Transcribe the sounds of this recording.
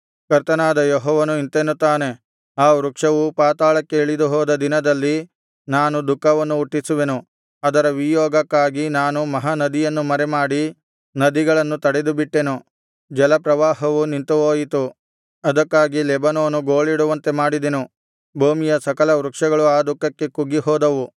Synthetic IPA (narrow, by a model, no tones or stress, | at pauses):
kɐɾt̪ɐnaːd̪ɐjɔɦɔːʋɐnuint̪enut̪aːne̞ | aːʋɾukʂɐʋupaːt̪aːɭɐkːeːɭid̪uɦɔːd̪ɐd̪inɐd̪ɐlːi | naːnud̪ukːɐʋɐnːuːʈːisuʋe̞nu | ɐd̪ɐɾɐʋijɔːɡɐkːaːɡinaːnumɐɦɐnɐd̪ijɐnːumɐɾemaːɽi | nɐd̪iɡɐɭɐnːut̪ɐɽed̪ubiʈːe̞nu | d͡ʒɐlɐpɾɐʋaːɦɐʋunint̪uɦoːjit̪u | ɐd̪ɐkːaːɡilɛbɐnoːnuɡoːɭiɽuʋɐnt̪e̞maːɽid̪enu | bʱuːmijɐsɐkɐlɐʋɾukʂɐɡɐɭuaːd̪ukːɐkːe̞kuɡːiɦɔːd̪ɐʋu